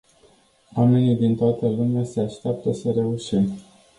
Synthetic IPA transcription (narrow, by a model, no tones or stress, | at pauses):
wame̞nijd̪int̪oat̪əlumease̞aʃt̪eap̚t̪əsəɾe̞uʃim